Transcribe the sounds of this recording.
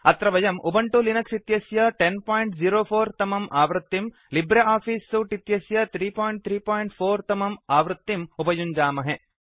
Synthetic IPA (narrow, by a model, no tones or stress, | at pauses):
ɐt̪ɾɐʋɐjɐmʔubɐɳʈulinɐksit̪jɐsjɐʈenpaːjɳʈd͡ʒiɾoːpʰoːɾt̪ɐmɐmʔaːʋɾɐt̪ːim | libɾeaːpʰiːsuʈit̪jɐsjɐt̪ʰɾiːpaːjɳʈ̚t̪ʰɾiːpaːjɳʈpʰoːɾt̪ɐmɐmaːʋɾɨt̪ːimubɐjuɲd͡ʒaːmɐɦe